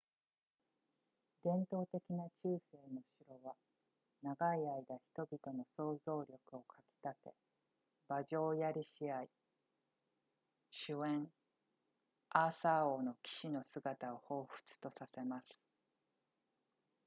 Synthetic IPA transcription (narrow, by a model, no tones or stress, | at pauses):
d̪ẽ̞nt̪o̞ːt̪e̞kʲinat͡ɕɨːse̞ːno̞ɕiɾo̞βa | naɡaiaid̪açʲi̥t̪o̞bʲit̪o̞no̞so̞ːzo̞ːɾʲo̞kɯ̟o̞kʰakʲi̥t̪at̪e̞̰ | baʑo̞ːjaɾʲiɕiai | ɕɨẽ̞ɴ | aːsaoːno̞kʲi̥ɕino̞sɨɡat̪ao̞ho̞ːɸɯ̟̥t͡sɨ̥t̪o̞sase̞masɨ̥